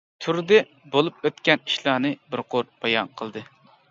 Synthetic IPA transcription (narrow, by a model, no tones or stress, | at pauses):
t̪ʰyɾd̪ɛ | bolˠup̚øt̪kʲɛniʃlˠɑnɨbɪɾqʰoɾb̥ɑjɑnqʰəlˠd̪ɨ